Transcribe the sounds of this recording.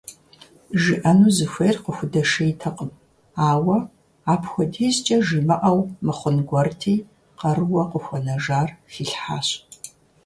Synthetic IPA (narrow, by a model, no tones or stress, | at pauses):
ʒiʔɐnuːzɨxʷeːrqəxʷʊdɐʂɐjtʰɐqʼəm | aːwɐ | aːpʰxʷɔdiːzt͡ʃʼɐʒimɨʔɐwmɨχʷʊnɡʷɔrtʰiː | qɐrɨwɐqəxʷɔnɐʒaːrfiːɬħa̰ːɕ